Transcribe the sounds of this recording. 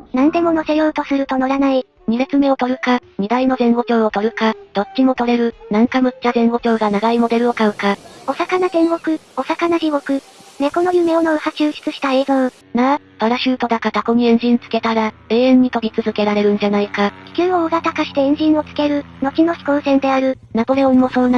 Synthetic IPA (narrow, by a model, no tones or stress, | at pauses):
nãnd̪e̞mo̞no̞se̞jo̞ːt̪o̞sɨɾɯ̟t̪o̞noɾanai | ɲ̟ibe̞t͡sɨme̞o̞t̪o̞ɾɯ̟kaɲ̟id̪aino̞zẽ̞ɰ̃wo̞kʲo̞ːo̞t̪o̞ɾɯ̟kad̪̥o̞t̚t͡ɕːɕimo̞t̪o̞ɾe̞ɾɯ̟nãŋkamɯ̟tːazẽ̞ɰ̃wo̞kʲo̞ːɡanaɡaimo̞d̪e̞ɾɯ̟o̞kaɯ̟kao̞sakanazẽ̞ɰ̃ɡo̞kɯ̟o̞sakanaʑiβo̞kɯ̟ | ne̞ko̞no̞jɯ̟me̞onoɯ̟haɕɨːɕi̥t͡sɨɕi̥t̪ae̞ːzo̞ː | na | paɾaɕɨːt̪o̞d̪akat̪ako̞ɲ̟iẽ̞ɲ̟d͡ʑĩnt͡sɨ̥ke̞t̪aɾae̞ːẽ̞ɲ̟ːit̪o̞ɾʲit͡sɨzɨke̞ɾaɾe̞ɾɯ̟̃ɲ̟d͡ʑanaikakʲi̥kʲɨːoːɡat̪akaɕi̥t̪eẽɲ̟d͡ʑĩɰ̃o̞t͡sɨ̥ke̞ɾɯ̟ | no̞t͡ɕino̞çi̥koːsẽ̞nd̪e̞aɾɯ̟ | nabo̞ɾe̞ommo̞so̞ːna